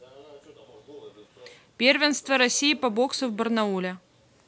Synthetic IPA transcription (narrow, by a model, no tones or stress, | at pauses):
pʲervʲɪnst̪vəɾɐsʲijɪpɐbo̞ksʊvbərnɐulʲɛ